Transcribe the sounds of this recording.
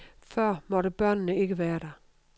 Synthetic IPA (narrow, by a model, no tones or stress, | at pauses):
fœɐ̰mɒ̽ɾəb̥ɶnənəe̝ɡ̥əʋæːɐd̥æ